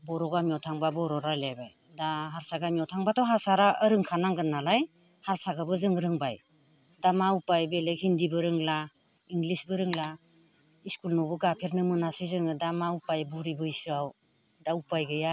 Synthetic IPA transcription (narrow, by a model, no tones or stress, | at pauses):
bɔɾɔɡamiawtʰaŋbabɔɾɔɾalajbaj | daɦaɾsaɡamiɔwtʰaŋbatʰɔɦasaɾaəɾɯŋkʰanaŋɡɯnːalaj | haɾsaɡabɯzɯŋɾɯŋbaj | damaupajbelehindibɯɾɯŋla | iŋɡlisbɯɾɯŋla | iskulnɔbɯɡapʰeɾnɯmɯnasɯjzɯŋɯdamaupajbuɾibɯjsɯaw | daupajɡɯja